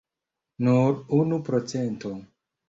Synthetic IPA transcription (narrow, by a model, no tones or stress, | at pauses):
nuɾunupɾot͡sento